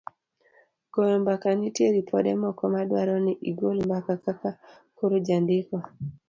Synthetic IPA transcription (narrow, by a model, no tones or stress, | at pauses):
ɡ̥ɔjɔmbakanitjeɾipʰɔdɛmɔkɔmadwaɾɔniʔiɡolmbakakaka | koɾud͡ʒandɪkɔ